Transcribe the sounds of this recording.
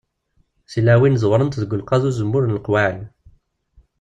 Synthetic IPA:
silːæwinzˤwɾˤənt̪ðəɡʷːəlqɑðuzəmːʊɾnlqwal

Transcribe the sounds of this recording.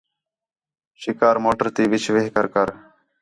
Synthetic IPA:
ʃɪkaːɾmoːʈəɾt̪iːʋɪt͡ʃʰʋeːɦkəɾkəɾ

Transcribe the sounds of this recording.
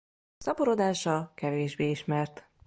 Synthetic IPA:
sɒpoɾod̪aːʃɒkɛveːʒbeːiʃmɛrt̪

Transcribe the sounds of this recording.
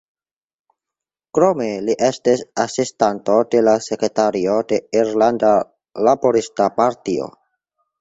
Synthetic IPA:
kɾo̞me̞liʔe̞stisasistanto̞de̞lase̞kɾe̞taɾio̞de̞iɾlanda | labo̞ɾistapaɾtio̰

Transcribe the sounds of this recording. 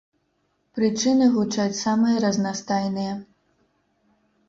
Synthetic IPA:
pɾɨt͡ʂɨnɨɣut͡ʂat͡sʲsamɨjɐɾɐznast̪ajnɨjɐ

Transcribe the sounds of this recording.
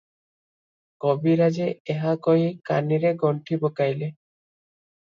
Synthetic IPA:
kɔbiɾad͡ʒeeɦakɔɦikaniɾeɡɔɳʈʰibokajle

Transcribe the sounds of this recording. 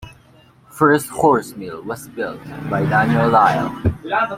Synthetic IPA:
fɜ˞sthɔɹsmilˠwʌzbɪlˠt̚baɪdænjəlːaɪə̰̃l

